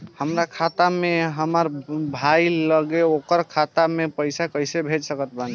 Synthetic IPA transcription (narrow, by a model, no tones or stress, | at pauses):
həmɾakʰat̪ameɦəməɾbʱajləɡeokəɾkʰat̪amepəjsakəjsebʱed͡ʒsəkət̪bani